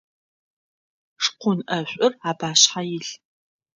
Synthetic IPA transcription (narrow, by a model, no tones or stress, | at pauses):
ʂqʷʊnʔɐɕʷʼʊraːbaːɕħajɪɬ